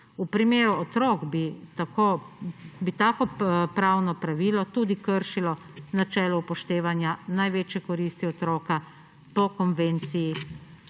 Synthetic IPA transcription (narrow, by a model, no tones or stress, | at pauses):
upɾimeːɾuɔt̪ɾɔːɡbit̪ako | bit̪aːkɔpɾaːwnɔpɾaʋiːlɔt̪uːd̪ikəɾʃilɔ | nat͡ʃɛːlɔupɔʃt̪eːʋanjanajʋeːt͡ʃjɛkɔɾiːst̪iɔt̪ɾoːka | pɔkɔnʋeːnt̪siji